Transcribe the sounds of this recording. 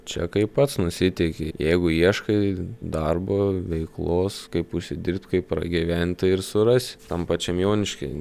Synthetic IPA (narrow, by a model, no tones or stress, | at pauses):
t͡ʃʲɛ̰kɐɪppɐt̪snʊsʲɪt̪ʲɛkʲejɛɪɡʊiɛʃkɐɪd̪ɐrboːʋʲɛɪklˠoːskɐɪpʊʃʲsʲɪd̪ʲɪrp̚ʲt̪ʲkɐɪppːɾɐ̰ɡʲiʋʲænʲt̪ɐɪɾsʊɾɑsʲɪ̥t̪ɐmpɑːt͡ʃʲɛmjoːnʲɪʃʲkʲɐɪ